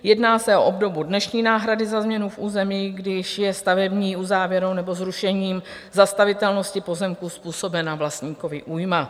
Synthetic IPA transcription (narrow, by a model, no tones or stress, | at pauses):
jɛdnaːsɛʔo̞̰ʔobdo̞budnɛʃɲiːnaːɦɾadɪzazmɲɛnufʔuːzɛmiːɡdɪʃjɛst̪avɛbɲiːuzaːvjɛɾownɛbo̞zɾuʃɛɲiːm | zast̪avɪt̪ɛlno̞scɪpo̞zɛmkuspuːso̞bɛnavlast̪ɲiːko̞vɪʔuːjma